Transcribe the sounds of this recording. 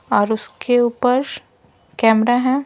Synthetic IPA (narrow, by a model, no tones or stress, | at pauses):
ɔːɾʊskeuːpəɾ | kɛːmɾaɦɛ̃ː